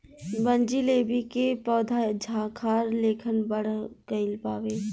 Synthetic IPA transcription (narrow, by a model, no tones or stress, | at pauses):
bənd͡ʒileːbikepɔːd̪ʱad͡ʒʱaːkʰaːɾleːkʰənbəɽ̤kəɪlpaːweː